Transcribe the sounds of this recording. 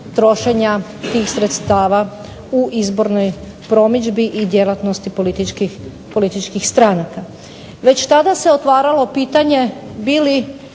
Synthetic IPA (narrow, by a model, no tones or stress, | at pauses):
t̪ɾo̞ʃe̞ɲat̪iːxsɾet̪st̪aːʋa | uʔizbo̞ɾno̞j | pɾo̞mid͡ʒbiʔid̪je̞lˠat̪no̞st̪ipolit̪iki | po̞lit̪it͡ʃkixst̪ɾaːnaka | ʋe̞t͡ɕt̪ad̪ase̞ot̪ʋaːɾalo̞piːt̪aɲe̞biːli